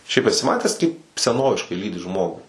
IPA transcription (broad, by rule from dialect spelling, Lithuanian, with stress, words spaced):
ˈʃʲɛɪp ɛˈsʲɪ ˈmɑːtʲæːs ˈkɐɪp sʲɛˈnoːʋʲɪʃkɐɪ ˈlʲiːdʲɪ ˈʒmoːɡʊ